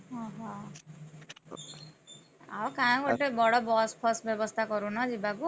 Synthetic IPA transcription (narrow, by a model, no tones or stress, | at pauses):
ʌɦʌ̃ | a̰bɔkaãkoʈebɔɽɔbɔspʰɔsbjɔbɔst̪ʰakɔɾũnʌd͡zibaku